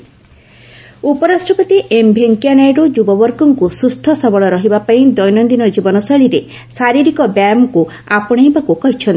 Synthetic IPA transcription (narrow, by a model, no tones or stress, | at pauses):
upɔɾasʈɔpɔt̪iʔembʱeŋkianajɖod͡ʒubɔbɔɾkɔŋkusust̪ʰɔsɔbɔɭɔɾɔɦibapaĩd̪ɔjnɔnd̪inɔd͡ʒibɔnɔsɔɭiɾe | saɾiɾikɔbjamɔku | apɔɽ̃ejbakukɔɦit͡ʃʰɔnt̪i